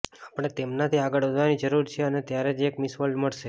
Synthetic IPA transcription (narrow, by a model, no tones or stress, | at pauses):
apəɽ̃et̪emnat̪ʰiaɡəɭəd̪ʱʋanid͡ʒəɾuɾt͡ʃʰeənet̪jaɾed͡ʒekmɪsʋəlɖməɭʃe